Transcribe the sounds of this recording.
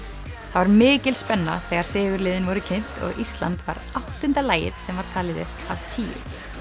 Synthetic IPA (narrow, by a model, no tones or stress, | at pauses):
θavaɾmɪːcɪlspɛnːa̰θɛːɣaɾ̥sɪːvʏɾlɪːðɪnvɔɾʏcʰen̥t̪ɔ̰ɣʔist̪la̰nt̪va̰ɾawht̪ʏnt̪alaːjɪ̰ɾ̥sɛmvaɾ̥t̪ʰaːlɪðʏ̰hpawt̪ʰiːʏ̰